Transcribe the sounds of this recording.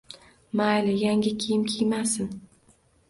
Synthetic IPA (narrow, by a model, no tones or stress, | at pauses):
majlɪjaŋɡʲɪkʲʰejɪmkʲʰejmasɪn